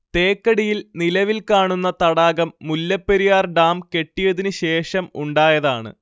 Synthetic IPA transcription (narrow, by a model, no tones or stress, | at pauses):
t̪e̞ːkːɐɽijilnilɐʋilkaːɳunːɐt̪ɐɽaːɣɐmːulːɐpːeɾijaːrɖaːmke̞ʈːijɐðinɨɕe̞ːʂɐmṵɳɖaːjɐðaːɳɨ̰